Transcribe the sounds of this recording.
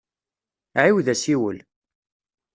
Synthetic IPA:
ʕiwðæsiwə̰l

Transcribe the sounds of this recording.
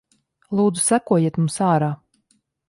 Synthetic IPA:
lˠuːd̪zu̥sækuɔjiɛt̪mumsɑːɾaː

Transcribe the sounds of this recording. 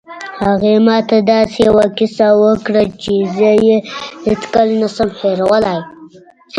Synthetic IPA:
haɣemɑt̪ad̪ɑsejawakisawəkɽət͡ʃezəjehet͡skəlnasəmheɾwəlaj

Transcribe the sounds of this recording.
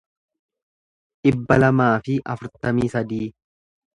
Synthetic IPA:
ᶑɪbːɐlɐmaːfɪʔɐfʊɾt̪ɐmiːsɐd̪iː

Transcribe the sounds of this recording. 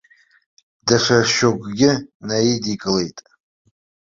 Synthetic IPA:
daʂaʃokʷʼɡʲɪnajedikʼɨle̞jtʼ

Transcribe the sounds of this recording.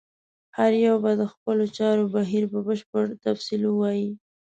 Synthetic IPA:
haɾjawbad̪əxpəlot͡ʃɑɾobaɦiɾpəbəʃpəɾt̪afsiləwɑji

